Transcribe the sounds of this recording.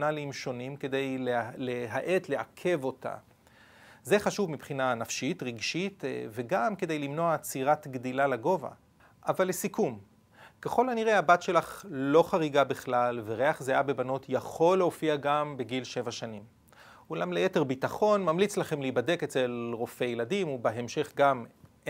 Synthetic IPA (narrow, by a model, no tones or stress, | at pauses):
nalimʃo̞nimke̞d̪e̞jleleɦaʔe̞t̪leakʰe̞vo̞ta̰ | ze̞χaʃuvmipχinanafʃitʁiɡʃitve̞ɡamke̞d̪e̞jlimno̞at͡siʁatɡdilalaɡo̞va̰ | ʔavalːesikum | keχo̞laniʁe̞abatʃe̞laχlo̞χaʁiɡabiχlalveʁe̞aχzeajabe̞bano̞tʰjaχo̞lːeofiaɡambeɡilʃe̞vaʃanim | ulamlejeteʁbitaχo̞nmamlit͡slaχe̞mleibade̞ket͡se̞lʁo̞fejeladimubeɦemʃe̞χɡam